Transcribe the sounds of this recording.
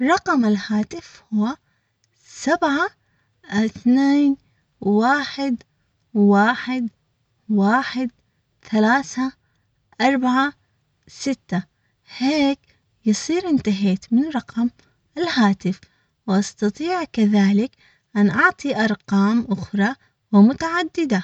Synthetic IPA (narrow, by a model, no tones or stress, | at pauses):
ɾˤɑqɑmalhaːt̪ɪfhʊwa | sabʕa | θneːn | waːħɪd̪ | waːħɪd̪ | waːħɪd̪ | θalaːθa | ʔɑɾˤbaʕa | sɪt̪ːa | heːk | jɨsˤiːɾʔɪnt̪aɦeːt̪mɪnɾˤɑqɑm | ɪlhaːt̪ɪf | wʔɑst̪ɑt̪ˤiːʕkaðaːlɪk | ʔanʔɑʕt̪ˤiʔɑɾˤqɑːmʔʊxɾˤɑ | wɪmʊt̪aʕad̪ːɪd̪a